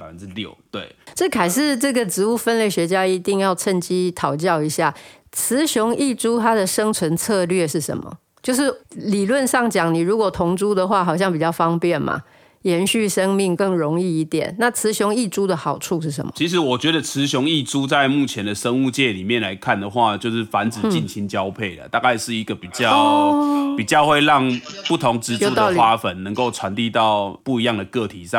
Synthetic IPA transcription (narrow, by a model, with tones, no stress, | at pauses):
a˨fə˦nɻ̩˥˧ljo˨˩ʊt̪we˥˩ɪʈ͡ʂə˥˩kʰa˨˩ɪʂɻ̩˥˧ʈ͡ʂɤ˥˩ɡə˨ʈ͡ʂɻ̩˧˥u˥˩fə˦˥nle˥˩ɪɕɥɛ˧˥t͡ɕja˥i˧˥t̪i˥˧ŋjɑ˥˧ʊt͡sʰə˥˧nt͡ɕi˥t̪ʰɑ˨˩ʊt͡ɕjɑ˥˩ʊi˧˥ɕja˥˩ | t͡sʰɹ̩˧˦ɕjʊ˧˥ŋi˥˩ʈ͡ʂu˥t̪ʰa˥d̪ə˨ʂə˥ŋt͡sʰwə˧˥nt͡sʰɤ˥˧lɥɛ˥˨ʂɻ̩˥˩ʂə̰˧˦nmə̰˨ | t͡ɕjo˥˧ʊʂ̬ɻ̩˥˩li˨˩lwə˥˧nʂɑ˥˩ŋt͡ɕjɑ˨˩˦ŋni˨˩ɻu˧˥kwɔ˨˩t̪ʰʊ˧˥ŋʈ͡ʂu˦d̪ə˨xwa˥˩xɑ˨˩ʊɕjɑ˥˩ŋp̬i˨˩t͡ɕjɑ˥˩ʊfɑ˥ŋpjɛ˥˩nma̰˨˩ | jɛ˧˥nɕy˥˩ʂə˦˥ŋmi˥˩ŋkə˥˩ŋɻo˧˦ŋi˥˧i˧˥t̪jɛ˨˩˦nːa˥˨t͡sʰɹ̩˧˦ɕʊ˧˥ŋi˥˧ʈ͡ʂu˥d̪ə˨xɑ˨˩ʊʈ͡ʂʰu˥˧ʂɻ̩˥˩ʂə̰˧˦mə˨t͡ɕʰi˨˥ʂ̬ɻ̩˧˦wɔ˨˩t͡ɕɥɛ˧˥d̪ə˧˨t͡sʰɹɻ̩˧˦ɕʊ˧˥ŋi˥˩ʈ͡ʂu˦t͡sa˥˧ɪmu˥˩t͡ɕʰjɛ˨˦nd̪ə˨ʂə˦˥ŋu˥˧t͡ɕjɛ˥˩li˨˩mjɛ˥˨nla˧˥ɪkʰa˥˩nd̪ə˩xwa˥˧t͡ɕjo˥˧ʊʂɻ̩˥˩fa˧˦nt͡sɹ̩˨˩t͡ɕi˥˨nt͡ɕʰi˧˥ŋt͡ɕjɑ˦ʊpʰe˥˩ɪlə̰˩t̪a˥˧ka˥˧ɪʂɻ̩˥˩i˧˥ɡə˨pi˨˩t͡ɕjɑ˥˧ʊpi˨˩t͡ɕjɑ˥˧ʊxwe˥˧ɪlɑ˥˨ŋpu˥˩t̪ʰo˧˦˥ŋt͡sɻ̩˧˥t͡sjo˧u˥˩t̪ə˨ʊxwa˦fə˨˩nnə˧˦ŋko˥˩ʊt͡sʰwa˨˦nt̪i˥˧t̪ɑ˥˨ʊpu˥˩i˧˦jɑ˥˩ŋd̪ə˩kɤ˥˨t̪ʰi˨˦ʂɑ˥˨